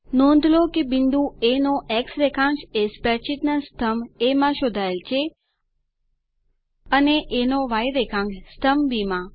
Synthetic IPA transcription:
nõnd̪ʱlokebinɖ̪ũenoʔeksɾekʰãŋɡʃespɛɾt͡ʃit̪nəst̪ʰəmemãʃod̪ʱaelt͡ʃʰe | əneʔenoʋajɾekʰãŋɡst̪ʰəmbimã

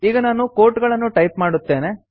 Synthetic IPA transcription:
iːɡɐnaːnukoːɾʈɡɐɭɐnːuʈɐjpmaːɽut̪ːe̞ːne

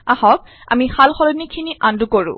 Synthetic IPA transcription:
ahɔk̚ | a̰mixalxɔlɔnikʰiniʔandukoɹṵ̃

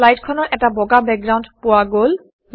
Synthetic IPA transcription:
lajʈkʰɔnoɾʔɛk̚ʈabɔɡabɛk̚ɡɾawnɖpuaɡol

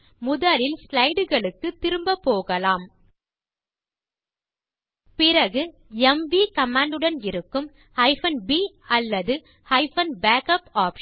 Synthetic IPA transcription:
mʊðɐlɪlslɐɪɽɯɣɐɭɯkːɯt̪ːɪɾɯmbɐpːoːɣɐlaːm | pɪrɐɣɯ | ɛmʋiːkɐmaːɳɖɯɽɐnɪɾɯkːɯm | hɐɪfɐnbiː | ɐlːɐðɯ | hɐɪfɐnbaːkɐpaːpʂ

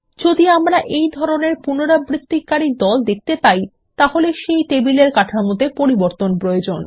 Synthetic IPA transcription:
d͡ʑod̪iamɾaʔejd̪ʱɔɾoneɾpunoɾabɾit̪ːikːaɾid̪ɔld̪ek̚ʰt̪epaj | t̪aholeʃejt̪ebileɾkaʈʰamot̪epoɾiboɾt̪onpɾojod͡ʑon

